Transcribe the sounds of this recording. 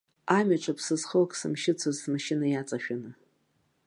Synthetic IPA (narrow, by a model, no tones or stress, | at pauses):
amʲaʈ͡ʂʷʰʼapʰsɨzχəlkʼsɨ̰mʃɪt͡sʷʰazsmʃɪnajat͡sʼaʃᶣanɨ